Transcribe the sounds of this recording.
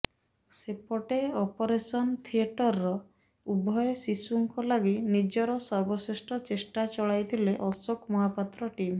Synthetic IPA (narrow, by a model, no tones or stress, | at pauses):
sepɔʈeɔpɔɾesɔnt̪ʰieʈɔɾːɔ | ubʱɔjɔsisuŋkɔlaɡinid͡ʒɔɾɔsɔɾbɔsesʈɔt͡ʃesʈat͡ʃɔɭajt̪ʰileʔɔsokmɔɦapat̪ːɾɔʈim